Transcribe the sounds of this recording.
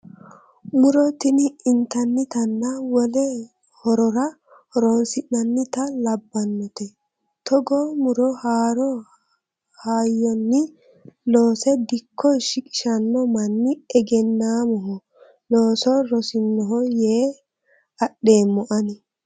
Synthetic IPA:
mʊɾɔt̪ɪnɪɪnt̪ɐnːɪt̪ɐnːɐwɔlɛ | hɔɾɔɾɐ | hɔɾoːnsɪnːɐnːɪt̪ɐlɐbːɐnːɔt̪ɛ | t̪ɔɡɔmʊɾɔhaːɾɔ | haːjːɔnːɪ | loːsɛd̪ɪkʰːɔʃɪkʼɪ̥ʃɐnːɔmɐnːɪɛɡɛnːaːmɔɦɔ | loːsɔɾɔsɪnːɔɦɔjeː | ɐɗːe̞ːmːɔʔɐnɪ

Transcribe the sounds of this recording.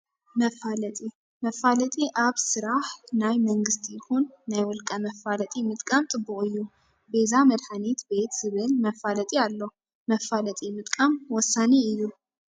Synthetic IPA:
məfːalət̪ʼi | məfalət̪ʼiʔaβsɨɾaħnajməŋɡɨst̪ʰjɪhunːajwɔlkʼəməfːalət̪ʼimɨt̪ʼkʼamt̪ʼɨbːukʼɨjːu | bezaməd̪ħanet̪be̞t̪z̥ɨβɨlməfːalət̪ʼialːə | məfːalət̪ʼimɨt̪ʼkʼamwɔsːaneɨju

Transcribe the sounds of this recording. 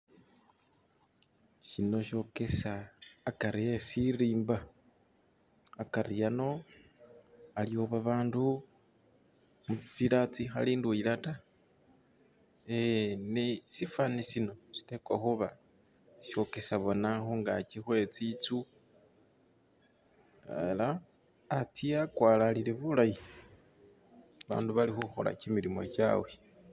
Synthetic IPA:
ʃino̞ʃo̞kesaːkaɾiesiɾiːmba | kaɾijano̞ | alioβaβaːndu | mut͡si̥t͡siɾat͡sixaliːndwiɾata | enisifanisino̞si̥te̞kwaxuβa | si̥ʃo̞ke̞saβo̞naxoŋɡa̰t͡ʃixwe̞t͡sit͡su | ḛlaː | tiakwaːlalileβulaji | βa̰ːnduβalixuxo̰la̰cimiɾimo̞̰ca̰we

